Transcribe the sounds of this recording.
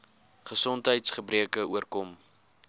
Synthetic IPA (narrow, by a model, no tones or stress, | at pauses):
χəsɔntɦəjtsχəbriəkəuərkɔm